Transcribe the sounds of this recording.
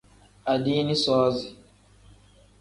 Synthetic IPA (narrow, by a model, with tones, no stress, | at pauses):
a˨diː˦ni˦sɔː˦zi˨